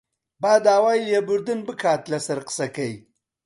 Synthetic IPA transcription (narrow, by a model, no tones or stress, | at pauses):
baːd̪aːwaːjljebʊɾd̪unbɨkʰaːt̪lɐsɐɾqsɐkɐj